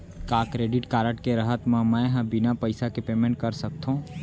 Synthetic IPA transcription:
kaːkɾeːɖɪʈkaːɾəʈkeɾɐɦət̪mãmɛ̃ɦɐ̃bɪnapɐɪsakepeːmẽɳʈ̚kɐɾsɐk̚t̪ɦũː

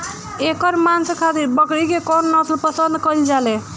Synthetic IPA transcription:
ekəɾmanskʰat̪ibəkɽikekɔnːəslpəsənd̪kəjld͡ʒale

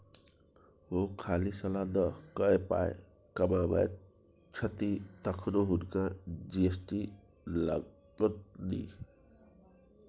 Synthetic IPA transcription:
ɦokʰalisʌlad̪ʌkʌepa̰ḛ | kʌbaba̰j | t͡ʃʰʌt̪it̪ʌkʰɾoɦuɾkãd͡ʒiesʈi | la | ɡɔt̪̚d̪ḭ

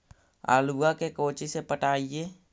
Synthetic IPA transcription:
ʔa̰luakekot͡ʃisepəʈaije

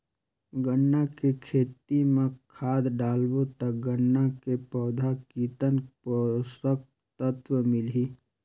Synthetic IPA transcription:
ɡənːakekʰeːt̪imẽkʰaːd̪ɖaːlbot̪ək̚ɡənːakepɔʊd̪ʱakiːt̪ənpsək | t̪ət̪wəmɪlɦiː

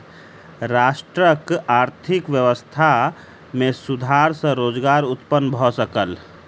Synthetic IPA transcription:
ɾaːʃʈɾəkaːɾt̪ʰɪkʋjəʋəst̪ʰa | mẽsud̪ʱaːɾsə̃ɾoːd͡ʒɡaːɾʊt̪pənːbʱɔsəkəl

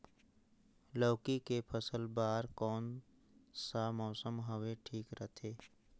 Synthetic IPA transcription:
lɔːkikepʰəsəlbaːɾkɔːn | samɔːsəmɦəʋeʈʰiːkɾət̪ʰeː

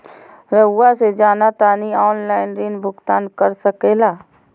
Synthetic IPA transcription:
ɾəʊased͡ʒaːnat̪aːniɔːnlaːɪnɾinbʱʊɡt̪aːnkəɾsəkeːlaː

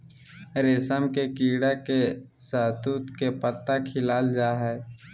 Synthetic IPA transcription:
ɾeːsəmkekiːɽakesaːt̪uːt̪kepət̪ːakʰɪlaːld͡ʒaːɦɛː

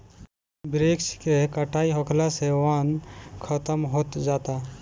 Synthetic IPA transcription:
bɾeːkskekəʈʰaːiɦokʰlaseʋaːnkʰət̪əmɦot̪d͡ʒaːt̪a

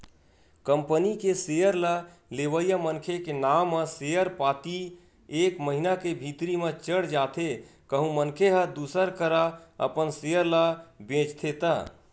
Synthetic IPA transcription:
kəmpənikesejəɾla | leʋəjəmənkʰekenamːə̃sejəɾpat̪i | ekməɦinakebʱit̪ɾimẽt͡ʃəɽd͡ʒat̪ʰekəɦũmənkʰeɦəd̪usəɾkəɾaə̰pənsejəɾlabẽt͡ʃt̪ʰet̪ə

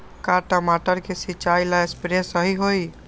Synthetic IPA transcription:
kaʈəmaʈəɾkesit͡ʃajlaespɾesəɦiɦoj

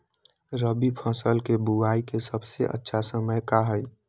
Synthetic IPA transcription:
ɾəbipʰə̃səlkebuaːikesəbseʔə̰tːʃʰasəməjkaɦəj

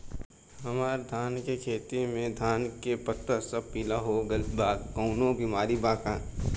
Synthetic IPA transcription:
ɦɐmaːɾd̪ʱaːnkekʰeːt̪imẽd̪ʱaːnkepɐt̪əsɐbpiːlaɦoɡɐlbaːkoːnõbiːmaːɾibaːkãː

